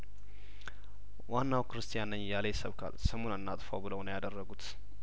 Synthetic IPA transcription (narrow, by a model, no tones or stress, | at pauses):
wanːawkɾɨst̪ʰijanəɲːjalejsəβkʰa̰lsəmo̞nənːat̪ʼfawbɨləwnəjad̪ərːəɡut̪